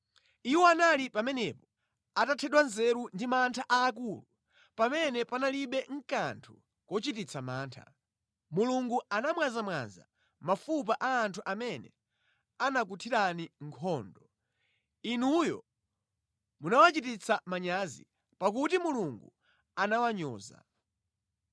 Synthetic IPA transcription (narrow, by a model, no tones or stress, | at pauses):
iwɔanalipamɛnɛpɔ | atatʰɛɗwanzɛɾundimantʰaʔaːk̬ulu | pamɛnɛpanaliɓɛŋ̩kantʰṵ | kɔt͡ʃitit͡sʰama̰ːntʰa̰ | muluŋɡuanamwazamwa̰nza̰ | mafup̬aʔaːntʰuʔamɛnɛ̰ | anak̬utʰiɾaniŋkʰɔːndɔ | inujɔ̰ | munawat͡ʃitit͡sʰamaɲazḭ | pakutimuluŋɡṵ | anawaɲɔ̰ːza̰